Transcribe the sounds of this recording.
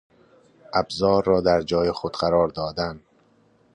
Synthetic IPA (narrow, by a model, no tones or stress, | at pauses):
ʔæbzɒːɾːɒːd̪æɾd͡ʒɒːjexod̪̥ɢæɾɒːɾd̪ɒːd̪æn